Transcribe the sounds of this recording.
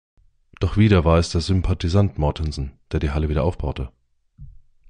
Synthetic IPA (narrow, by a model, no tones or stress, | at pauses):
d̥ɔχv̥iːɾɐvaːɐɛsd̥eːɐzʏmpʰatizantmɔɐtʰɪnsn̩d̥eːɐdiːɦaləviːdɐʔaʊfb̥aʊtə